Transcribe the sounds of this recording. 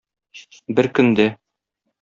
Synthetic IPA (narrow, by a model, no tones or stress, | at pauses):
bɘɾkɵ̆nd̪æ